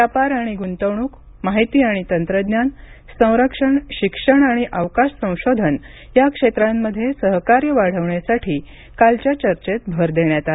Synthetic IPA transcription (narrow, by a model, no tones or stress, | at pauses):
ʋjapaɾaɽ̃iɡunt̪əʋɳuːk | maɦit̪iːaɽ̃it̪ənt̪ɾəd̪njan | sə̃w̃ɾəkʂəɳɕikʂəɳaɽ̃iʔaʋkaʂsə̃w̃ɕod̪ʱən | jakʂet̪ɾamːəd̪ʱːjesəɦkaɾjəʋaɽ̤əʋɳjasaʈʰiː | kalt͡ɕjat͡ɕəɾt͡ɕet̪̚bʱəɾd̪eɳjat̪ale